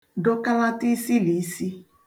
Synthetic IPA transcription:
dɔ˦ka˦la˦ti˦si˦li˨˦si˦

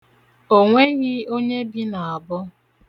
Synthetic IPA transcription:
o˨ŋʷe˦ɣɪ˦o˦ɲe˦bi˦na˨a˨bʊ˦

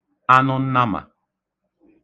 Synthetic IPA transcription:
a˦nɔ˦n̩˦na˦ma̰˨

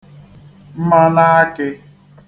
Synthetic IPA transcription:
m̩˦ma˦na˦a˦kɪ˦

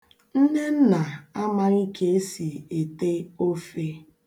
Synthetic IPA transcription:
n̩˦ne˦n̩˦na˨a˦ma˦ɣi˦kʰe˦e˦si˨e˨te˦o˦fe˦

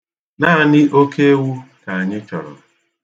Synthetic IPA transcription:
na˦a˨nɪ˦ʔo˦kʰe˦wu˦ka˨a˨ɲɪ˦t͡ʃɔ˨ɾɔ̰˨

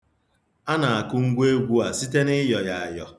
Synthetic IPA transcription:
a˦na˨a˨kʊ˦ŋ̩˦ɡʷe˦ɡʷu˦a˨si˦te˦nɪ˦jɔ˨ja˨a˨jɔ˨

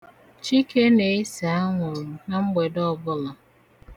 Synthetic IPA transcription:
t͡ʃi˦ke˦ne˨e˦sa˨a˦ŋʷʊ˨ɾu˨na˦ŋ͡m̩˦ɡ͡be˨dɔ˦˨bʊ˦lɔ˨

